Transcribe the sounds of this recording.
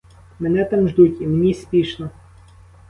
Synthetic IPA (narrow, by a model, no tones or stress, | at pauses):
mɛnɛt̪amʐd̪utʲimnʲisʲpʲiʃnɔ